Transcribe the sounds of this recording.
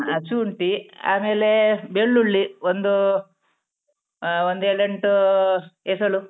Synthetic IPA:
ɐt͡ʃuɳʈia̰ːme̞ːlebeɭːuɭːiond̪u | ond̪eɭeɳʈu | esɐɭu

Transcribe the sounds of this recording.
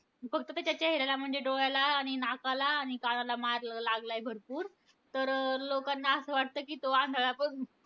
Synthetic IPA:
fəɡ̚t̪ət̪jat͡ɕjat͡ɕeɦɾelam̤əɳd͡zeɖoɭalaːɽ̃inakalaːɽ̃ikaɽ̃alamaɾllaɡlaebʱəɾpuːɾ | t̪əɾlokanːaəsəːʋaʈ̚t̪əːkiːt̪oãnɡ̪ʱalapəɳ

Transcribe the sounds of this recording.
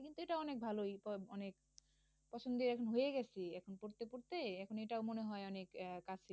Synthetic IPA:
kint̪ueʈaɔnek̚bʱalojpɔɔnek | pɔt͡ɕʰond̪iɾɛkʰonɦojeɡɛt͡ɕʰeɛkʰonpoɾt̪epoɾt̪eɛkʰonejʈaomoneɦɔeɔnekkat͡ɕʰe

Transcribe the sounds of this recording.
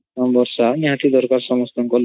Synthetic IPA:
ambɔɾsaniɦat̪id̪ɔɾkaɾsɔmɔst̪ʰɔŋkɔl

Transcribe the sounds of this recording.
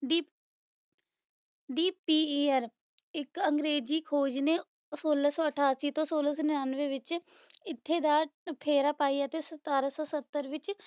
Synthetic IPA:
ɖi | ɖiːpiːeːəɾ | ɪkəŋɡɾeːziːkʰoːd͡ʒneː | soːlaːsɔːəʈʰaːsiːt̪õːsoːlaːs̬ɔːnɪaːnʋeːʋɪt͡ʃ | ɪt̪ʰːeːd̪aːpʰeːɾaːpaːiːɛt̪eːsət̪aːɾasɔːsət̪ːəɾʋɪt͡ʃ

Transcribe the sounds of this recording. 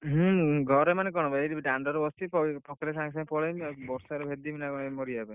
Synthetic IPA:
ɦɡʱɔɾemanekɔɽ̃ɔbaeɾibiʈaɳɖɔɾbɔst̪ipɔpɔkɾesãŋsãpɔɽejmbɔɾsaɾebʱed̪iminakɔnmɔɾiabe

